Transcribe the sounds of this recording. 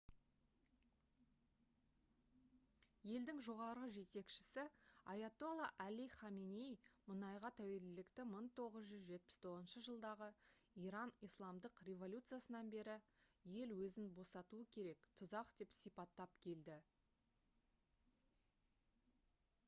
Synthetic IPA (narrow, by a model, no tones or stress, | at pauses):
je̞ld̪ɪŋʒo̞ʁɑɾəʒe̞t̪e̞kʃɪ̥sɪɑjat̪olˠɑʔæliχɑminejmʊnɑjʁɑt̪ʰæwe̞lɪlɪkt̪ɪməɴt̪ʰo̞ʁəzʒʏzʒe̞t̪̚pɪ̥st̪ʰo̞ʁzənʃəʒəlˠd̪ɑʁəiɾɑnijslˠɑmd̪əqrʲe̞vo̞lʲut̪sɨjasənɑnbe̞ɾɪje̞lwɵzɪnbo̞sɑt̪uəkʲʰe̞ɾe̞kt̪ʰʊzɑqd̪e̞psijpɑt̪ːɑpkʲʰe̞ld̪ɪ